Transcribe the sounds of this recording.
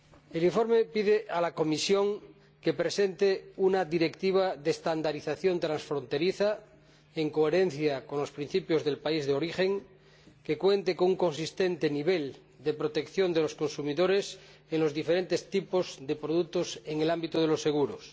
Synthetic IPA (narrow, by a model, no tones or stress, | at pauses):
eliɱfo̞ɾmepið̞eʔalako̞misjo̞ŋ | kepɾesent̪eunaðiɾekt̪iβ̞aðest̪and̪aɾiθaθjo̞nt̪ɾansfɾont̪e̞ɾiθa | eŋkoeɾen̟θjakonlospɾin̟θipjozðe̞lpaizðeoɾixeŋ | kekwe̞nt̪ekoŋuŋko̞nsist̪ent̪eniβel | d̪epɾot̪e̞kθjond̪elosko̞nsumiðoɾes | eŋlo̞zðifeɾent̪est̪ipozðepɾoð̞uk̚t̪oseŋelambit̪oð̞elo̞sːe̞ɣ̞uɾos